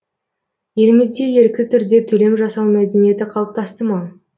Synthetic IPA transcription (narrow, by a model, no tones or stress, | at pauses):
je̞lɪmɪzd̪e̞je̞ɾkʲɪt̪ʰʏɾd̪e̞t̪ʰɵle̞mʒɑsɑwmæd̪e̞nije̞t̪ɪqʰɑlˠəp̚t̪ʰɑst̪əmɑ